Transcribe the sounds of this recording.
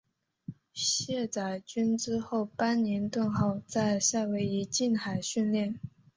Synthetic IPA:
ɕjɛ˥˩t͡sa˨˩ɪt͡ɕy˥nʈ͡ʂɻ̩˥xo˥˩ʊpa˥nnjɛ˧˥nt̪wə˥˧nxɑ˥˧ʊt͡sa˥˧ɪʂa˥˩we˧˥ɪi˧˥t͡ɕi˥˩nxa˨˩ɪɕy˥˧nljɛ˥˩n

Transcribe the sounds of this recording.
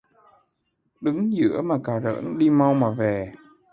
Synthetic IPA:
ɗɨ˨˦ŋzɨ̰˧˥əmaː˨˩kaː˨˩zə̰ː˧˥nɗi˧ma˧wmaː˨˩ve˨˩

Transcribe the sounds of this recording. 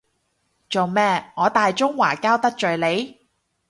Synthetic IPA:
t͡so˨wmɛː˥˩ŋɔː˨˧˥t̪aː˨jt͡ʃʊ˥ŋwaː˨˩kaː˥wt̪ɐ˥k̚t͡ʃɵ˨ɥle˨˧j

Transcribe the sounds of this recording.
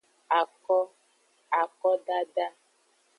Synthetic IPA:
a˨kɔ˦ | a˨kɔ˦ɖa˦ɖa˦

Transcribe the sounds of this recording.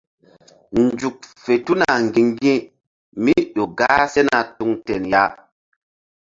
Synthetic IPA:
nd͡ʒu˨k̚fe˨tu˦na˨ŋɡĩ˨ŋɡĩ˦ | mi˦ɗo˨ɡaː˦se˦na˨tu˨ŋtɛ˨nja˦

